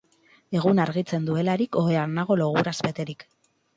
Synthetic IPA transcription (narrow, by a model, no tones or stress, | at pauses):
e̞ɣunaɾɣit͡se̞nd̪ue̞laɾiko̞eanaɣo̞lo̞ɣ̞uɾazbe̞t̪e̞ɾik